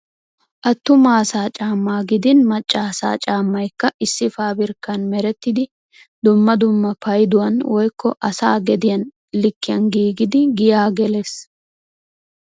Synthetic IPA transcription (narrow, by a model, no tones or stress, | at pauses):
ʔɐt̪ːʊmaːsaːt͡ʃʼaːmːaːɡɪd̪ɪnmɐt͡ʃʼːaːsa̰ːt͡ʃʼaːmːɐjkːɐʔɪsːɪfaːbɪɾkːɐnmɛɾɛt̪ːɪd̪ɪ | d̪ʊmːɐd̪ʊmːɐpɐjd̪ʊwɐnwɔjkːɔʔɐsaːɡɛd̪ɪjɐn | lɪkːɪjɐnɡiːɡɪd̪ɪɡɪjaːɡɛles